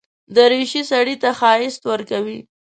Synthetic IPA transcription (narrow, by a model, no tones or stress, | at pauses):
d̪əɾeʃisaɽit̪axɑɪst̪wəɾkawi